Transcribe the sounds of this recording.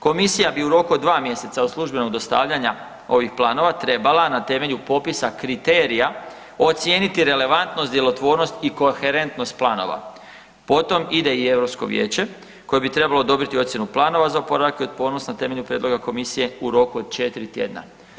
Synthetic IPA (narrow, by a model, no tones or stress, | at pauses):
ko̞misijabiuɾo̞kuod̪ʋaːmje̞se̞t̪saoslˠuʒbe̞noɡd̪ost̪a̰ːʋʎaɲa | o̞ʋixplˠaːno̞ʋat̪ɾe̞balˠanat̪e̞me̞ʎupo̞pisakɾit̪eːɾija | o̞t̪sje̞ːnit̪iɾe̞le̞ʋant̪nosd̪je̞lo̞t̪ʋo̞ːɾno̞st̪iko̞xe̞ɾe̞nt̪no̞st̪̚plaːno̞̰ʋa̰ | po̞t̪o̞mid̪e̞ie̞vɾo̞psko̞̰ʋje̞̰ːt͡ɕe̞ | ko̞jebit̪ɾe̞balo̞ːd̪o̞bɾit̪io̞t̪sjenuplˠaːno̞ʋazaopo̞ɾaakeio̞d̪̚po̞ːnosnat̪e̞me̞ʎupɾʲjedlo̞ɡako̞misije̞uɾo̞kuod̪̥̚t͡ʃe̞t̪iɾit̪je̞̰d̪na̰